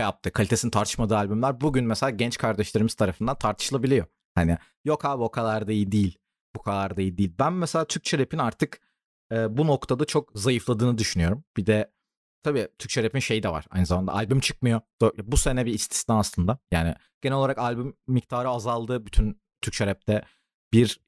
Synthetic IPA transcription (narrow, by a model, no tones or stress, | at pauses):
ʃjap̚t̪ʰɯkʰalʲit̪ʰesinint̪ʰaɾt̪ʰɯʃmad̪ɯːalʲbymlʲæɾbuɟynmɛselʲaːɟɛnt͡ʃkʰaɾd̪ɛʃlʲe̞ɾimiz̥t̪ʰaɾafɯnd̪ant̪ʰaɾt̪ʰɯ̥ʃɯlˠabilʲijo̞ | hanɪ | jo̞kʰabokʰalˠaɾd̪ajid̪ijilʲ | bukʰalˠaɾd̪ajid̪iːlʲbænmɛselʲaːt̪ʰyɾc̚t͡ʃʰeɾepʰinaɾt̪ʰɯk | ɯːbuno̞kt̪ʰad̪at͡ʃʰo̞k̚zajɯflˠad̪ɯːnɯd̪yʃynyjo̞ɾumb̥id̪ɛ | t̪ʰabiːt̪ʰyɾc̚t͡ʃʰeɾepinʃe̞jid̪ɛva̰ɾ̥a̰jnɯzamand̪a̰alʲbymt͡ʃʰɯ̥k̚mɯjo̞d̪̥obuse̞nɛbiist̪ʰi̥snaːslˠɯnd̪ajaːnɪ̰ | ɟ̥enɛloaɾakalʲbymːic̚t̪ʰaːɾɯazalˠd̪ɯːbyt̪ʰyn | t̪ʰyɾct͡ʃʰeɾɛp̚t̪ʰɛ | b̥iɾ